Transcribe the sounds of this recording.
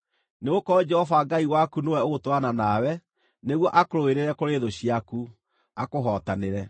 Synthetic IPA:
neɣokɔd͡ʒɛhɔvaɡaiwakunowɛoɣotoananawɛ | neɣwɔʔakoɾoeɾeɾɛkoɾeːðoɕiaku | akoɦɔtaneɾɛ

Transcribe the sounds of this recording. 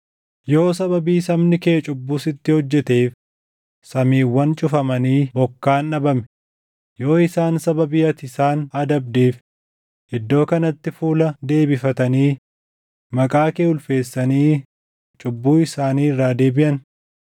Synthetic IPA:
jo̞ːsɐbɐbiːsɐmnɪkeːt͡ʃʼʊbːuːsɪt̪ːɪhɔd͡ʒːɛt̪eːf | sɐmiːwːɐnt͡ʃʼʊfɐmɐniːbɔkːaːnɐbɐmɛ | jo̞ːɪsaːnsɐbɐbɪːɐt̪ɪsaːnɐd̪ɐbd̪eːf | ʔɪd̪ːo̞ːkɐnɐt̪ːɪfuːlɐd̪e̞ːbɪfɐt̪ɐniː | mɐkʼaːkeːʊlfe̞ːsːɐniː | t͡ʃʼʊbːuːɪsaːniːɪrːaːd̪e̞ːbɪʔɐn

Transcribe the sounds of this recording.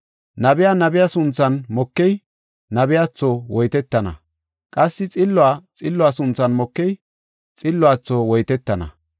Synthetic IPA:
nɐbɪjanɐbɪjasʊnt͡sːɐnmɔkːɛj | nɐbɪjat͡sːowɔjt̪ɛt̪ːɐnɐ̰ | kʼɐsːɪt͡sʼɪlːʊaːt͡sʼɪlːʊaːsʊnt͡sːɐnmɔkːɛj | t͡sʼɪlːʊaːt͡sːowɔjt̪ɛt̪ːɐnɐ̰

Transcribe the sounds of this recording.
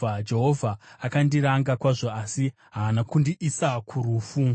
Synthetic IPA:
ad͡ʒe̞ɦo̞vʱaːkandiɾaŋɡakwaʐo̞asi | ɦaːnakundiʔisakʰuruːfu

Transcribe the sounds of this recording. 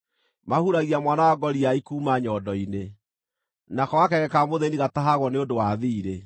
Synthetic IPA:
mahuɾaɣiamwanawaɡɔɾiaikuːmaɲɔdɔine | nakɔɣakɛɣɛkamoðeniɣataɦaɣwɔneodowaðiːɾe

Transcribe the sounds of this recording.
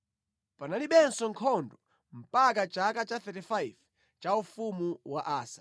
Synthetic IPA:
panaliɓɛnsɔŋkʰɔndɔ | m̩pakat͡ʃakat͡ʃaθɛtifajv | t͡ʃaufumuwaʔaːsḁ

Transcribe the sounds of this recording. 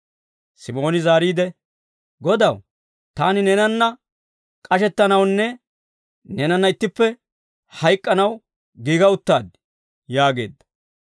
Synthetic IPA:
sɪmo̞ːnɪzaːɾiːd̪ɛ | ɡɔd̪ɐw | t̪aːnɪnɛːnɐnːɐ | kʼɐʃɛt̪ːɐnɐwnːɛ | nɛːnɐnːɐɪt̪ːɪpːɛ | hɐjkʼːɐnɐw | ɡiːɡɐʊt̪ːaːd̪ɪ̥ | jaːɡe̞̰ːd̪ːɐ̥

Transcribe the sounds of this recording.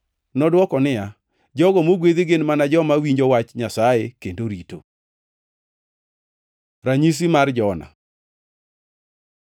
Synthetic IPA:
nɔdwɔkɔnɪja | d͡ʒɔɡɔmoɡweðeɡenmanad͡ʒɔmawiɲd͡ʒowat͡ʃɲasajekendoɾito | ɾaɲis̬imard͡ʒɔna̰

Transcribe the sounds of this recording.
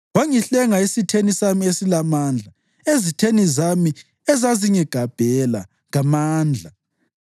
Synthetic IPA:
waŋiɬɛŋaesitʰenisamiesilamand͡ɮʱa | ezitʰenizami | ɛzaziɲɛɡ̥ʱab̥ʱɛla̰ | ŋamaːnd͡ɮʱa

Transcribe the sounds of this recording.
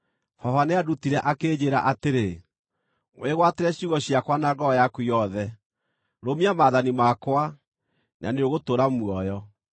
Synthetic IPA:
fɔhaneadutiɾɛʔakeːd͡ʑeɾa̰ʔateɾe | weɣwateɾɛɕiuɣɔɕiakwanaɡɔjakwuijɔðɛ | ɾomiamaːðanimakwa | nʔa̰neoɣotoɾamwɔjɔ

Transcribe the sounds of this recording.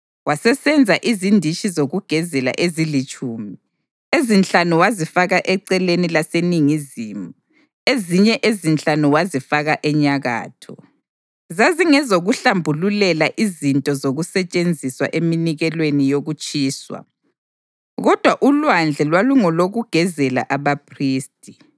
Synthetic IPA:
wasɛsɛnd͡zʱaʔizindʱit͡ʃʼizoɣuɡ̥ʱɛzɛla̰ʔezilit͡ʃʼuːmi | ezint͡ɬʼanuwazifaɣaʔɛǀɛlenilaseniŋiziːmu | eziɲɛʔezint͡ɬʼanuwazifaɣaʔɛɲaɣa̰ːtʰɔ | zaziŋɛzoɣuɬambʱululɛlaʔizintʼɔzoɣusɛt͡ʃʼend͡zʱiswa̰ʔeminiɣɛlwenijoɣut͡ʃʼiːswa̰ | ɣɔd̥ʱwaʔulwand͡ɮʱɛlwaluŋɔloɣuɡ̥ʱɛzɛla̰ʔaβapʰriːstʼi

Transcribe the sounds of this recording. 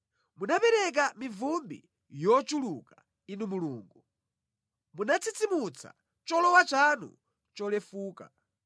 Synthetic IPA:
munapɛɾɛk̬amivumbi | jɔt͡ʃuluka | inumuluːŋɡu | munat͡sʰit͡simut͡sʰa̰ | t͡ʃɔlɔwat͡ʃanṵ | t͡ʃɔlɛfuːka̰

